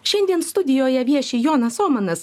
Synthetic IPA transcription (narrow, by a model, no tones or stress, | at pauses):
ʃʲɛnʲd̪ʲiɛnst̪ʊd̪ʲɪjoːjɛʋʲiɛʃʲɪːjoːnɐsoːmɐnɐs